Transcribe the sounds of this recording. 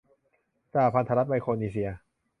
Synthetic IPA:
t͡ɕaː˧˩pʰa˧nt̪ʰa˧ɾa˦˥t̪̚ma˧jkʰoː˧niː˧si˧ɐ

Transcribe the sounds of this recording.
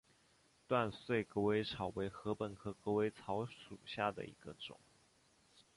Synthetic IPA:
t̪wa˥˧nswe˥˩ɪkɤ˧˥we˧˥ɪʈ͡ʂʰɑ˨˩ʊwe˧˥ɪxɤ˧˥pə˨˩nkʰɤ˧˥kɤ˧˥we˧˥ɪt͡sʰɑ˧˥ʊʂṵ˨˩ɕja˥˩d̪ə̰˩ḭ˧˥ɡ̥ə˧ʈ͡ʂʊ̰˨˩˦ŋ

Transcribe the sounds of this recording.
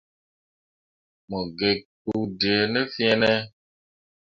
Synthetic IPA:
mɔ˨ɡe˨k͡pu˨di˨e˨ne˦fĩ˦ɛ˦nɛ˦

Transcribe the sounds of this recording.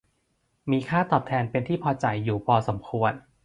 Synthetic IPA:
miː˧kʰaː˥˩t̪ɔː˨˩p̚t̪ʰɛː˧npe˧nt̪ʰiː˥˩pʰɔː˧t͡ɕa˧jːuː˨˩pʰɔː˧so˩˦mkʰu˧ən

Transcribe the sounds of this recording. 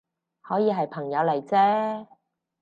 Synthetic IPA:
hɔː˨˥jiː˨˧ɦɐ˨jpʰɐ˨˩ŋjɐ˨˧wle˨˩jt͡sɛː˥

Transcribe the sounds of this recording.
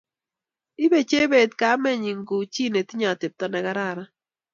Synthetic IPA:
ɪ˦be˨t͡ʃe˦be˨t̚ka˨˦mɛ˦ɲi˨ŋɡu˨t͡ʃi˦ne˨ti˦ɲa˨te˨p̚tɔ˦nɛ˨ɡa˦ɾa˦˨ɾa˦

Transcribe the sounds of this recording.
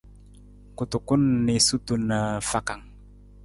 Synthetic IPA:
kut̪u˨ku˦nːi˨su˦t̪unəfa˨ka˨ŋ

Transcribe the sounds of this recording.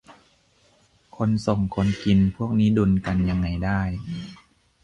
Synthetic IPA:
kʰo˧nso˨˩ŋkʰo˧nki˧npʰu˥˩ək̚niː˦˥du˧nka˧nja˧ŋːa˧jdaː˥˩j

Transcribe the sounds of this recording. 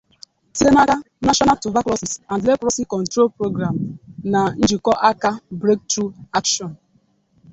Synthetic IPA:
te˦na˦ɡa˦ | na˦ʃɔ˦na˦tu˨va˦klɔ˦si˨sa˨ndle˦kɾɔ˦si˦kɔ˨n̩˨tɾo˦lpɾo˦ɡɾa˨m̩˨na˨n̩˦d͡ʒi˨kɔ˦ʔa˦ka˦bɾe˦k̚tɾu˦a˦kʃɔ˨n

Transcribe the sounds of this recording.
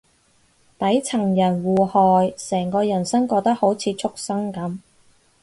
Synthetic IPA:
t̪ɐ˨˥jt͡sʰɐ˨˩ŋjɐ˨˩nwuː˨hɔː˨jsɛː˨˩ŋkɔː˧jɐ˨˩nsɐ˥ŋkɔː˧k̚t̪ɐ˥k̚ho˨˥wt͡sʰiː˨˧t͡sʰʊ˥k̚sɐ˥ŋkɐ˨˥m

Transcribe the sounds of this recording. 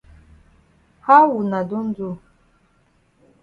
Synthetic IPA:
ha˦wu˨na˨du˦n̩˦d͡zu˦

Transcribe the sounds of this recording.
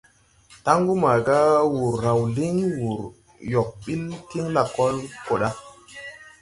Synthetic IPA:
ta˦ŋɡu˦ma˨ɡa˦wu˨ɾːa˨wli˦ŋ˦wu˨ɾ | jo˨k̚ɓi˦lki˦ŋla˨ko˦lko˨ɗa˦

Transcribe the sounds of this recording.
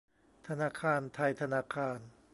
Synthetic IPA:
t̪ʰa˧naː˧˩kʰaː˧nt̪ʰa˧jt̪ʰa˧naː˧˥kʰaː˧n

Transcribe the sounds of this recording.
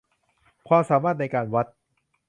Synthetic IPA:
kʰwaː˧msaː˩˦maː˥˩t̪̚na˧jkaː˧nwa˦˥t̪̚

